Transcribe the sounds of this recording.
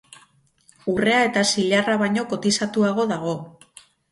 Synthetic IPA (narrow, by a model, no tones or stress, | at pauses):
ure̞ae̞t̪asiʎaraβaɲo̞ko̞t̪isat̪uaɣ̞o̞ðaɣ̞o̞